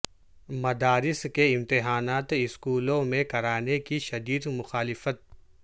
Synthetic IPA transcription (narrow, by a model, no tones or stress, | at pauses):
mɐd̪aːɾɪskeɪmt̪ɪɦaːnaːt̪ɪskuːlõmẽkɐɾaːnekiʃɐd̪iːd̪mʊxaːlɪfət̪̚